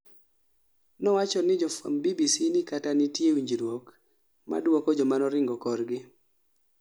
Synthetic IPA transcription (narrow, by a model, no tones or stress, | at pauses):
nɔwat͡ʃɔnɪd͡ʒɔfa̰mbibisinɪkatanɪtjewiɲd͡ʒiɾwok | ma̰dwɔkɔd͡ʒɔmanɔɾɪŋɡɔkɔɾɡɪ